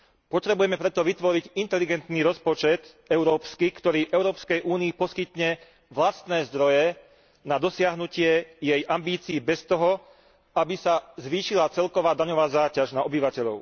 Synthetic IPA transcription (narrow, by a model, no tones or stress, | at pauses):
pɔt̪ɾɛbujɛmɛpɾɛt̪ɔʋit̪ʋɔɾiɟint̪ɛliɡɛnt̪niɾɔspɔt͡ʃɛt̪ | ɛʊɾɔːpskikt̪ɔɾiːʔɛʊɾɔːpskɛjʔuːniːpɔskit̪ɲɛ | ʋlast̪nɛːzd̪ɾɔjɛ | nad̪ɔsɪaɦnucɪɛjɛjʔambiːt͡siːbɛst̪ɔɦɔ | abisazʋiːʃilat͡sɛlkɔʋaːd̪aɲɔʋaːzaːcaʒnaɔbiʋacɛʎɔʊ